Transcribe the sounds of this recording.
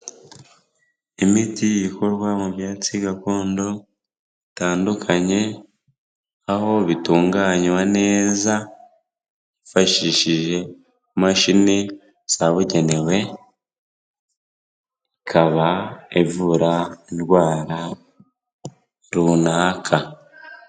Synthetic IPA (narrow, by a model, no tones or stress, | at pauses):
imitijiko̞ɾɡwamuβjaːt͡siɡako̞ːndo̞ | itaːndukʰaɲe̞ | aho̞βituːŋɡaɲwane̞ːza | βifaʃiʃiʒe̞ | maʃini | saβuɟe̞ne̞we̞ | ikʰaβaevuɾainwaːɾa | ɾunaːkʰa